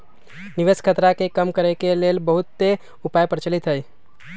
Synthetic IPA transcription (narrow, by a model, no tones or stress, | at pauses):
niʋeskʰət̪ɾakekəmkəɾɛkelelbəɦut̪ːe | upajpəɾt͡ʃəlit̪ɦəj